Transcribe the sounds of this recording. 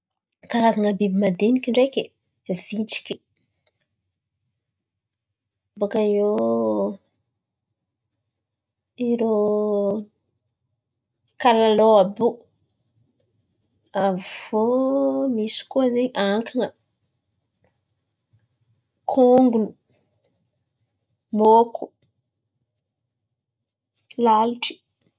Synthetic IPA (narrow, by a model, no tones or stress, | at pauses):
kaɾazaŋəbebimad̪enikʲiɳɖ͡ʐekʲe | v̥it͡si̥kʲi̥ | bokaio | iɾo | kalaloabu | avomisu̥kuazeʔaŋkʰaŋa | kʰoŋɡunu | mokʰu | lalti̥